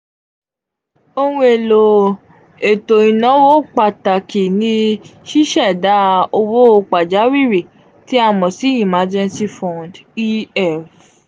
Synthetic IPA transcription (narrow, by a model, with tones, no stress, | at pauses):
o˧hũ˦e˨lo˨ | e˨to˨i˨nɔ̃˨˦wo˦˨k͡pa˨ta˨ki˨nĩ˧ʃi˦ʃɛ˦˨da˨˦o˧wo˦o˧k͡pa˨d͡ʒa˨˦wi˦˨ɾi˨ | ti˨˦a˦˨mɔ̃˨si˨˦i˦˨ma˧d͡ʒɛ̃˧nsi˦fɔ̃˨ndi˦ɛ˦˨f